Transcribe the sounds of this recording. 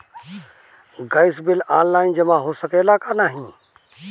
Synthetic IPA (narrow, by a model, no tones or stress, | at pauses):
ɡaɪsbɪlaːnlaːɪnd͡ʒəmãɦosəkelakanaːɦĩ